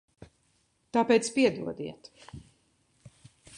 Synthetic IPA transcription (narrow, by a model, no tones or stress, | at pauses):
t̪aːpɛːjt̪spiɛd̪uɔd̪ḭɛt̪